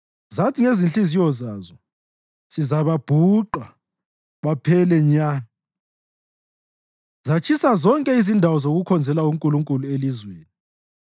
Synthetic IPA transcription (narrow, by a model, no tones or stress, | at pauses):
zatʰiŋezinɬʼizijɔzazɔ | sizaβab̥ʱuǃwa | βapʰɛlɛɲaːna | zat͡ʃʰisazɔŋkʼɛizindʱawɔzoɣukʰɔnd͡zʱɛlauŋkʼuluŋkʼuluelizweːni